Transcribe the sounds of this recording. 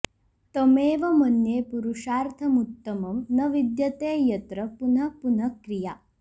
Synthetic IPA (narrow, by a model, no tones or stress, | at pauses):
t̪ɐmeːʋɐmɐnjeːpuɾuʂaːɾt̪ʰɐmut̪ːɐmɐmnɐʋid̪jɐt̪eːjɐt̪ɾɐpun̤ɐpun̤ɐkɾijaː